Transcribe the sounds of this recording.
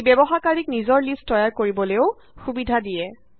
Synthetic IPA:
bɛbɔxakaɹiknizɔɹlistːɔjaɹkoɹibɔleʊ | xubidʱadijɛ

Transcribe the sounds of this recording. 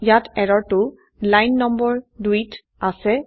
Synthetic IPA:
jatʰɛɹɔɹtʊ | lajnːɔmbɔɹduit | asɛ

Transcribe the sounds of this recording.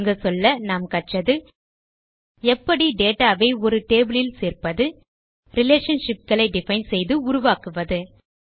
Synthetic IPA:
ŋɡɐsɔlːɐnaːmkɐʈ̚t͡ʃɐðɯ | ɛpːɐɽiɖeːʈaːʋɐɪɔɾɯʈeːbɪɭɪlseːrpɐðɯ | ɾɪleːʂɐnʂɪp̚kɐɭɐɪɖɪfɐɪnsɛjðɯʊɾʊʋaːkɯʋɐðɯ

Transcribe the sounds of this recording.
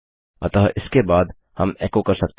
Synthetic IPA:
ɐ̰t̪əɦʔɪskebaːd̪ | hɐmɛːkokɐɾsɐk̚t̪

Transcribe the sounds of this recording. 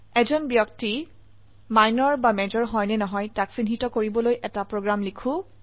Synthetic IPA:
ɛzɔnbjɔk̚ti | majnɔɹbamɛzɔɹɦɔjnɛnɔɦɔjtaksinɦitɔkoɹibɔlojʔɛtapɹoɡɹamlikʰũ

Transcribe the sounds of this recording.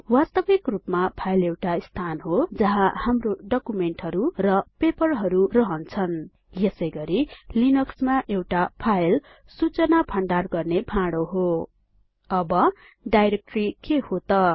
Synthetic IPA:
wast̪ʌbikrupmapʰajlewʈaist̪ʰanɦod͡zʌɦãhamroɖʌkumeɳʈɦʌɾurʌpepʌrɦʌɾurʌɦʌnt͡sʰʌn | jesʌjɡʌɾilinʌksmaʔewʈapʰajl | sut͡sʌnapʰʌɳɖarɡʌrnepʰãɽoɦo | ʌbʌ | ɖajɾek̚ʈrikehot̪ʌ

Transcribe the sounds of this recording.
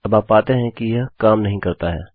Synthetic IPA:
ɐbaːpːaːt̪eɦɛ̃kijɐɦkaːmnɐɦĩkɐɾt̪aɦɛ̰ː

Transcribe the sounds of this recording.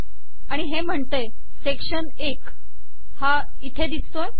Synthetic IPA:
aɽ̃iɦem̤əɳt̪ej | sekʂən | ek | ha | it̪ʰed̪it͡st̪oe

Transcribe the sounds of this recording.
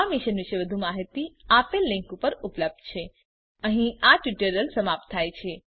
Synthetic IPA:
amiʃənʋɪʃeʋəd̪ʱumaɦit̪iapelːɪ̃ŋkupəɾupləb̚d̪̚t͡ʃʰe | əɦĩaʈjuʈəɾəlsəmap̚t̪ʰːajt͡ʃʰe

